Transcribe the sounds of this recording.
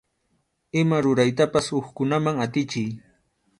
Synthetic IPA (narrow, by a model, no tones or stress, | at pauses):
ɪmaɾʊɾajt̪apasoχkʊnamaŋat̪ɪt͡ʃɪj